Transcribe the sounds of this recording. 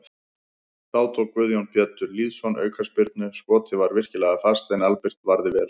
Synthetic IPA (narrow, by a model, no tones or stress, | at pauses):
aːwt̪ʰokvʏðjownpjɛt̪ːʏɾliːðsɔnœ̰ːɥkʰaspɪɾt̪̚nʏskɔːt̪ʰɪvaɾvɪr̥cɪlɛːɣafast̪ejnalpɪr̥t̪vaɾðɪvɛːl